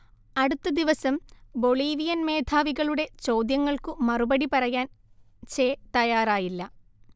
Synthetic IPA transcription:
ɐɽut̪ːɐd̪iʋɐsɐmbo̞ɭiːʋijɐnme̞ːd̪ʰʱaːʋiɣɐɭuɽe̞t͡ɕo̞ːd̪jɐŋːɐɭkɨmɐrubɐɽipɐrɐjaːn | t͡ɕeːt̪ɐjaːraːjilːɐ

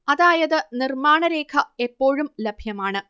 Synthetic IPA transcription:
ɐðaːjɐðɨnirmaːɳɐɾe̞ːkʰɐe̞pːo̞ːɻumlɐbʱjɐmaːɳɨ

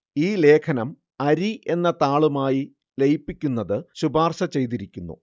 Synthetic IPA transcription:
iːle̞ːkʰɐnɐm | ɐɾiʔe̞nːɐt̪aːɭumaːji | lejpːikʲːunːɐðɨɕubaːrɕɐt͡ɕe̞jt̪iɾikʲːunːṵ

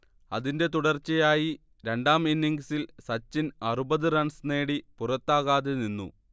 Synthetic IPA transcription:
ɐðinde̞t̪uɽɐrt͡ɕːɐjaːji | ɾe̞ɳɖaːminːiŋɡsilsɐt͡ɕːinɐrubɐðɨrɐɳsne̞ːɽipurɐt̪ːaːɣaːðeninːṵ

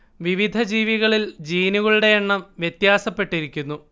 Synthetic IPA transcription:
ʋiʋid̪ʱɐd͡ʑiːʋiɣɐɭild͡ʑiːnuɣɐɭuɽe̞jeɳːɐmʋjɐt̪jaːsɐpːe̞ʈːiɾikʲːunːu

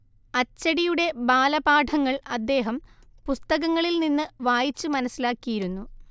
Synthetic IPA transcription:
ɐt͡ɕːɐɽijuɽe̞baːlɐbaːʈʰɐŋːɐɭɐd̪ːe̞ːɦɐm | pust̪ɐɣɐŋːɐɭilninːɨʋaːjit͡ɕːuɨmɐnɐsːilaːkːijiɾunːu

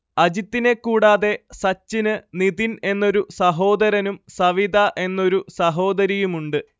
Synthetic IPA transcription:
ɐd͡ʑit̪ːine̞kːuːɽaːðe̞sɐt͡ɕːinɨniðine̞nːo̞ɾusɐɦo̞ːd̪ɐɾɐnumsɐʋid̪ɐʔe̞nːo̞ɾusɐɦo̞ːd̪ɐɾijumuɳɖɨ

